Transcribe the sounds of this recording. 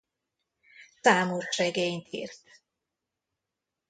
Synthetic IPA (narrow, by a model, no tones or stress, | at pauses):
t̪aːmurʃrɛɡeɲt̪ḭːrt̪